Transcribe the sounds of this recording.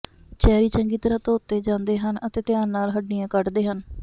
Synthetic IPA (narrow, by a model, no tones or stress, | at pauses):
t͡ʃɛːɾiːt͡ʃəŋɡiːt̪əɾãːt̪oːt̪ːeːd͡ʒãːnd̪eːɦənət̪eːt̪ɪjaːnːaːlɦəɖnɪjãːkəɖd̪eːɦən